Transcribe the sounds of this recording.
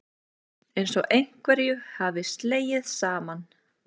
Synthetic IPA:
ejnsɔʔejŋ̥kvɛɾjʏhavɪst̪leːjɪðsaːman

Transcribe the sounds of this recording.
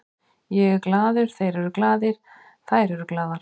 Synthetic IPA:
jɛɣklaːðʏɾ̥θejɾɛɾʏklaːðɪɾ̥ | θajɾɛɾʏklaːðaɾ̥

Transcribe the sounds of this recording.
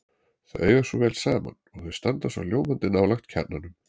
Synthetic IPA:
θa̰ðeɥjvaɾ̥sɔvɛːlsaːma̰nɔɣθœðst̪ant̪asa̰wljoːwmant̪ɪnawlaxt̪cʰɛ̰t̪nanʏm

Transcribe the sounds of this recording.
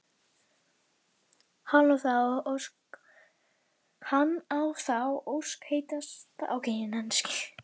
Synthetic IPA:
haloθaw | hanːawθawowskheːjt̪ast̪aawkejnɪnɛnscɪ̥

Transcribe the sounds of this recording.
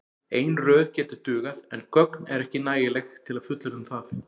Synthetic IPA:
eːjnrœːðcɛːt̪ʏɾt̪ʏːɣaðɛnkœknɛɾɛhcɪnaːjɪlɛxt̪ʰɪlaðfʏt̪lɪɾʏmθaθ

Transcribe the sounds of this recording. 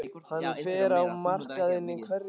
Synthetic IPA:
hanːfɛːɾawmar̥kaðɪnːɪkʰvɛɾ

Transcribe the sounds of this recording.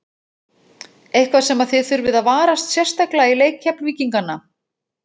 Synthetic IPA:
ejhkvḁsɛmaðθɪθʏɾvɪðaðvaːɾast̪sjɛr̥st̪aklaileːjkhaplviːciŋkanːa

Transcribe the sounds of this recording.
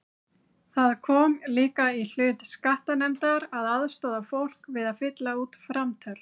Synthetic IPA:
θaðkʰɔːmliːkail̥ʏːt̪skaht̪anɛmt̪aɾaðaðst̪ɔːðafowl̥kvɪðaðfɪt̪lauːt̪fɾamt̪ʰœl̥

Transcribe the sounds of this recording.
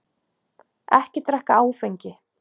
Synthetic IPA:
ɛ̰hcɪt̪ɾɛhkaaːwfejɲcɪ

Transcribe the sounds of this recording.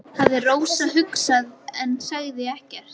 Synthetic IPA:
havðɪroːwsaɦʏksaðɛnsaɣðɪɛhcɛɾ̥t̪̚

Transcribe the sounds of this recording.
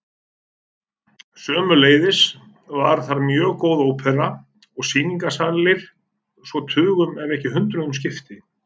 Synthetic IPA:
sœːmʏleːjðɪs | vaɾ̥θaɾmjœːɣkoːwðoːwpʰɛɾa | ɔɣsiːniŋkasaːllɪɾ̥ | svɔt̪ʰʏːɣʏmɛvɛhcɪhʏnt̪ɾʏðʏms̬cɪft̪ɪ

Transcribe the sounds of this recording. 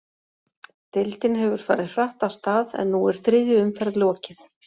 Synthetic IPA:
t̪ɪlt̪ɪnɦɛvʏɾ̥faːɾɪð̥r̥aht̪awst̪aːðɛ̰nːuɛɾ̥θɾɪːðɪʏmfɛɾðlɔːcɪθ

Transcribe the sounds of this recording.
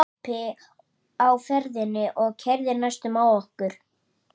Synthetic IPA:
apɪ | awfɛɾðɪnːɪʔɔɣcʰɛɾðɪɾnajst̪ʏmaːwɔhkʏɾ̥

